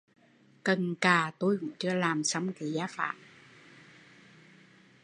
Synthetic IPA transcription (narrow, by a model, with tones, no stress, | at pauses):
kə˨˩nkaː˨˩t̪o˧jkʊ̰˧˥ŋ͡mt͡ɕɨ˧əlaː˨˩msa˧wŋ͡mki˨˦zaː˧˦fa̰ː˧˨ʔ